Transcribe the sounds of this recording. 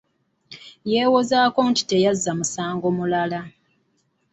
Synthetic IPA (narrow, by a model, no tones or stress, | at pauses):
jeːwo̞zaːko̞nti̥te̞jazːamusaːŋɡo̞mulala